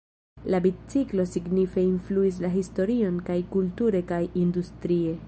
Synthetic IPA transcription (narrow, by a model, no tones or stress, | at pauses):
labit͡siklo̞siɡnife̞influis̬laɦisto̞ɾio̞nkajkultuɾe̞kajindustɾie̞